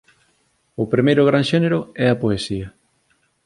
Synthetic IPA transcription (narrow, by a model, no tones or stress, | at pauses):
ʊpɾimejɾʊɣ̞ɾaŋʃɛneɾʊɛɐpoesiɐ